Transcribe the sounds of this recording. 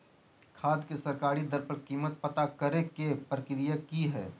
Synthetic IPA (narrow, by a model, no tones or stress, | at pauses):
kʰaːd̪kesɐɾkaːɾid̪əɾpəɾkiːmət̪̚pɐt̪akɐɾekepɾəkɾijakiɦɛ̰ː